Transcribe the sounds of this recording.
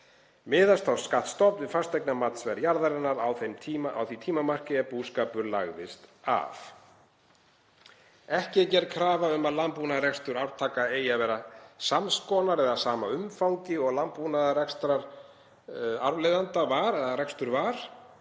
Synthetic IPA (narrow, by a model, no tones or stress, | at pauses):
mɪːðast̪ʰawskat̪st̪ɔpnɪfast̪ɛjknamat̪nsvɛɾjaɾðaɾɛnːaɾawθemʰia̰wθvit̪ʰiːmamar̥cɪɛpuːskaːpʏɾla̰ɣðɪst̪a̰f | ɛhcɪcɛɾkʰɾaːvaʏmaðlampunaðɾɛkst̪ʏɾawɾ̥t̪ʰaːkaeːjavɛːɾasamskɔnaɾɛðasaːmaʏmfawɲcɪɔɣlampunaðɾɛkst̪ɾaɾ | aɾvlejðant̪avaɾɛðaɾɛkst̪ʏɾvaɾ̥